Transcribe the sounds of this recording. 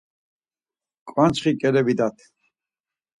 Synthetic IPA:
kʼwant͡ʃχikʼɛlɛbid̪at̪ʰ

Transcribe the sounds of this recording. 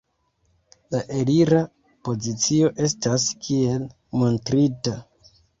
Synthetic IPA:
laʔe̞liɾa | po̞zit͡sio̞ʔe̞staskʰie̞l | mo̞ntɾita

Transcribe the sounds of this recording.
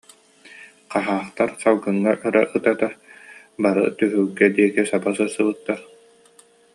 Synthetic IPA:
qaɦaːχt̪aɾqalˠɡɯŋːaʔɯɾaʔɯt̪at̪a | baɾɯ̰t̪yɦyɡɛd̪iɛkisabasɯsːɯbɯt̪ːaɾ

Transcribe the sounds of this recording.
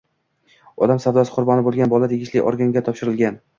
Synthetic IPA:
ɒd̪amsavd̪ɒsqʰʊɾbɒnɪbolˠɡʲanbɒlˠat̪ʰeɡʲɪʃlɪʔɒ̰ɾɡaŋɡʲat̪ʰɒpʃɪɾɪlɡʲan

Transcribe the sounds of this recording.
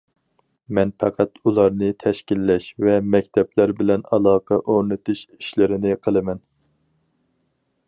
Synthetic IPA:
mɛnpʰɑqʰɑt̪ulˠɑɾnɨt̪ʰɛʃkʲilːɛʃvɛmɛk̚ʲt̪ʰɛplæɾbɪlɛnɑlˠɑːqʰɑʔoɾnɨt̪ɨʃi̥ʃlɪɾɪnɪqʰəlˠɨmɛn

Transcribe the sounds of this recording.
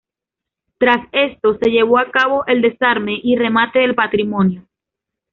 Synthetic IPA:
t̪ɾase̞st̪o̞se̞ʝe̞β̞o̞akaβo̞ʔe̞ld̪e̞saɾme̞ʔire̞mat̪e̞ðe̞lpat̪ɾimonjo

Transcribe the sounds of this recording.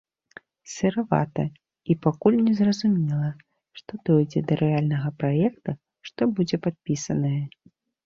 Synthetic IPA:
sʲɛɾava̰t̪ɐ | ipakulʲnʲɛzrɐzumʲɛlˠɐ | ʂt̪ɔd̪ɔjd͡zʲɛd̪ɐɾʔɨalʲnɐɣɐpɾajɛkt̪ɐ | ʂt̪ɔbud͡zʲɛpat̪̚pʲisɐnɐjɐ

